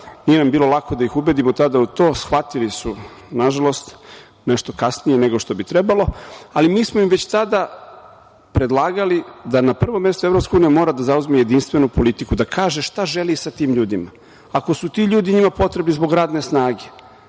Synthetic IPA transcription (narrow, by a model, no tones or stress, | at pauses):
nije̞nambiːlˠo̞lˠakʰo̞d̪aixubed̪imot̪ad̪aut̪o̞ːsxʋat̪ilisunaʒalˠo̞st̪ | ne̞ʃt̪o̞kasnijene̞ɡo̞ʃt̪o̞bit̪ɾe̞balo̞alimiːsmoimʋet͡ɕt̪ad̪a | pɾe̞d̪lˠaːɡalid̪anapr̩ʋomːje̞st̪oe̞vɾopskauːnijamo̞ːɾad̪azauzmije̞d̪inst̪ʋe̞nupo̞lit̪ikud̪akaːʒeʃt̪aʒe̞lisat̪iːmʎuːd̪ima | ako̞sut̪iːʎuːd̪iɲimapo̞t̪ɾebnizbo̞ɡɾaːd̪ne̞snaːɡe̞